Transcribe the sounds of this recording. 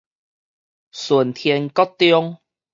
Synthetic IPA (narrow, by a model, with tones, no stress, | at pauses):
su˨˩nt̪ʰjɛ˧nkɔ˦t̪ːjɔ˦ŋ